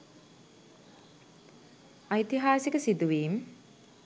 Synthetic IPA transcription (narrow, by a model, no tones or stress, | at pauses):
ajt̪iɦaːsikəsid̪uʋiːm